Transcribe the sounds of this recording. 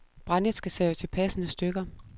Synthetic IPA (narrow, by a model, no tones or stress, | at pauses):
b̥ʁɑned̥sɡ̥æseət͡sʰe̝lpʰæsənəsd̥øɡ̥ɐ